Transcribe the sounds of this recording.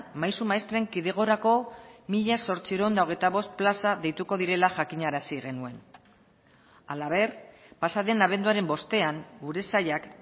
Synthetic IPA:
majsumaest̪ɾe̞ŋkiðe̞ɣ̞o̞ɾako̞miʎaso̞ɾt͡sieɾoond̪ao̞ɣ̞e̞jt̪aβ̞o̞st̪̚plasaðe̞jt̪uko̞ðiɾe̞laʝakiɲaɾasiɣe̞nue̞n | alaβ̞e̞r | pasaðe̞naβ̞e̞nd̪uaɾe̞mbo̞st̪e̞aŋɡuɾe̞sajak

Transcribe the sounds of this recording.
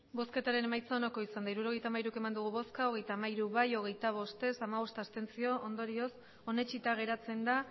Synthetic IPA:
bo̞ske̞t̪aɾe̞ne̞majt͡saonoko̞isand̪aiɾuɾo̞ɣ̞ejt̪amaiɾuke̞mand̪uɣ̞uβo̞skao̞ɣe̞jt̪amaiɾuβajo̞ɣ̞e̞jt̪aβ̞o̞st̪e̞samaβo̞st̪ast̪e̞nt͡sio̞ʔond̪o̞ɾio̞s | o̞ne̞t͡ʃit̪aɣ̞e̞ɾat͡se̞nd̪a

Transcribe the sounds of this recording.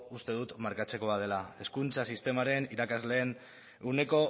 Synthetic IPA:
ust̪e̞ð̞ut̪maɾkat͡se̞ko̞að̞e̞lae̞skunt͡sasist̪e̞maɾe̞niɾakazle̞ːn | une̞ko̞

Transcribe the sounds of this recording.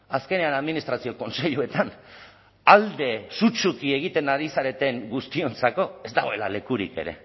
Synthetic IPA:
aske̞ne̞anaðminist̪ɾasio̞ko̞nse̞ʎue̞t̪an | ald̪e̞sut͡ʃukie̞ɣ̞it̪e̞naɾisaɾe̞t̪e̞ŋɡust̪io̞nt͡sako̞e̞zd̪aɣo̞e̞la̰le̞kuɾḭke̞̰ɾe̞̰

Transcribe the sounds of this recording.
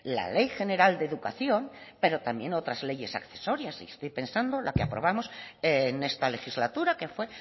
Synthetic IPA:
la̰le̞jxe̞ne̞ɾald̪eðukaθjo̞mpe̞ɾo̞t̪ambje̞no̞t̪ɾazle̞je̞sa̰kθe̞so̞ɾjasḭest̪ojpe̞nsand̪o̞lakeapɾo̞β̞amo̞sene̞st̪ale̞xizlat̪uɾake̞fwe̞

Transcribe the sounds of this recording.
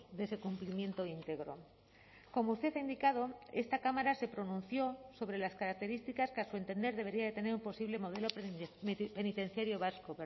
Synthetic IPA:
ðese̞kumplimjẽ̞nt̪o̞int̪e̞ɣɾo̰ | ko̞mo̞ust̪e̞θaind̪ikaðo̞e̞st̪akamaɾase̞pɾo̞nũnθjo̞so̞βɾe̞laskaɾak̚t̪e̞ɾist̪ikaskasue̞nt̪e̞nd̪e̞ɾðe̞βe̞ɾiaðe̞t̪e̞ne̞ɾumpo̞siβle̞mo̞ð̞e̞lo̞ | pe̞nit̪e̞n̟θjaɾjo̞βaskoβ

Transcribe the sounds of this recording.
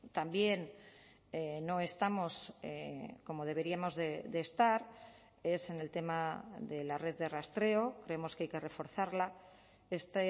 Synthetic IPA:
t̪ambje̞n | eno̞e̞st̪amo̞sḛko̞mo̞ð̞e̞β̞e̞ɾiamo̞zðed̪e̞ːst̪aɾ | e̞se̞ne̞lt̪e̞maðe̞lare̞ððe̞rast̪ɾe̞o̞kɾe̞emo̞skeajke̞re̞fo̞ɾθaɾla | est̪

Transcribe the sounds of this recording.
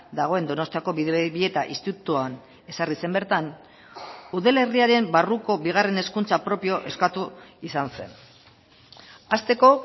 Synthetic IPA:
d̪aɣ̞o̞e̞nd̪o̞no̞st̪iako̞βiðβie̞t̪aʔist̪it̪ut̪uan | e̞sarise̞mbe̞ɾt̪an | uðele̞riaɾe̞mbaruko̞βiɣ̞are̞ne̞skunt͡sapɾo̞pio̞ʔe̞skat̪uisanse̞̰n | ast̪e̞ko̞

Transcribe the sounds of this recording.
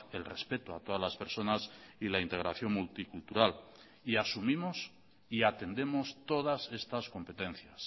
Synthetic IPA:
e̞̰lre̞spe̞t̪oat̪o̞ðazlaspe̞ɾso̞nasilaint̪e̞ɣ̞ɾaθjo̞ŋmult̪ikult̪uɾal | iasumimos | iat̪e̞nd̪e̞mo̞st̪o̞ð̞ase̞st̪asko̞mpe̞t̪ẽ̞n̟θjas

